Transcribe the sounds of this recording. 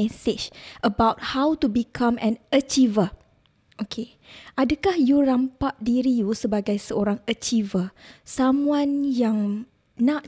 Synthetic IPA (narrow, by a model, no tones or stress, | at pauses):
ɛsɪt͡ʃʔəbawt̚hawtubikʰãmɛ̃nət͡ʃivə | ʔokʰe | ʔadakahjuɾampaʔdiɾijusəbaɡajsəoɾaŋət͡ʃivəsamũãnjaŋ | nãʔ